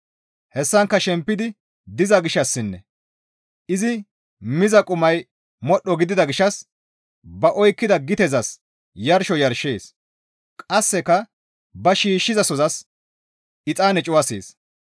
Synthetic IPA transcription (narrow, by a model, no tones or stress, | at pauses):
hɛsːɐŋkːɐʃɛmpːɪd̪ɪ | d̪ɪzɐɡɪʃːɐsːɪnːɛ̰ | ɪzɪ | mɪzɐkʼʊmɐj | mɔɗːɔɡɪd̪ɪd̪ɐɡɪʃɐs | bɐʔɔjkːɪd̪ɐɡɪt̪ɛzɐs | jɐɾʃɔjɐɾʃeːs | kʼɐsːɛkːɐ | bɐʃiːʃːɪzɐsɔzɐs | ɪt͡sʼaːnɛt͡ʃʼʊwɐsḛːs